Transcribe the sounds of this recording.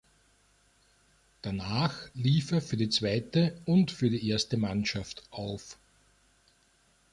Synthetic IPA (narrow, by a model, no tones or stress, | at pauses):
d̥anaːxliːfɛfyːɐdiːt͡sv̥aɪtəʊntfyːɐdiːʔeɐstəmanʃaftʔaʊf